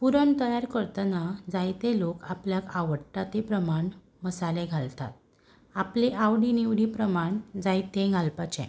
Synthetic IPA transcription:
puɾəɳt̪əjaɾkəɾt̪anad͡zajt̪elokapljakaʋəɽʈːat̪epɾəmaɳ | məsaleɡʱalt̪a̰t̪̚ | apleʔaʋɽiniʋɽipɾəmaɳd͡zajt̪ẽɡʱalpat͡ɕɛ̰̃

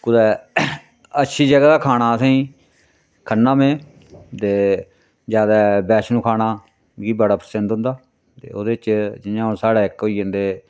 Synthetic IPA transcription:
kʊd̪ɛː | ətːʃʰiːd͡ʒəɡɛːd̪aːkʰaːnaːəsãːĩː | kʰənːãːmẽː | t̪eː | d͡ʒjaːd̪ɛːbɛːt͡ʃnũːkʰaːnaː | kiːbəɽaːpəɾsə̃nd̪ɦʊ̃nd̪aː | t̪ḛːoːd̪eːt͡ʃd͡ʒɪjãːõːsaːɽeːɪkoːiːjə̃nd̪eː

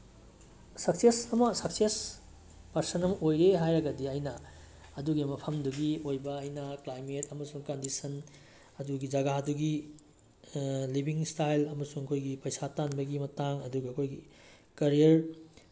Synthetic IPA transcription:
sɐksesɐmɐsɐkses | pɐɾsɐnɐmɐojɾeɦajɾɐɡɐdiajnɐ | ɐduɡimɐpʰɐmduɡiojbɐɐjnɐklajmetɐmɐsuŋkɐndisɐn | ɐduɡid͡ʒɐɡaduɡi | libiŋstajlɐmɐsuŋɐkʰojɡipɐjsatanbɐɡimɐtaŋɐduɡɐːkʰojɡi | kɐɾijɐɾ

